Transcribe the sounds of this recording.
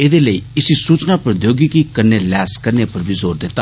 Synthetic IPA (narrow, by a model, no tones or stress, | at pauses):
eːd̪eːləiːɪsisuːt͡ʃnapəɾd̪joːɡikikəɾnelɛːskəɾnepəɾbʱizoːɾd̪ɪt̪ːa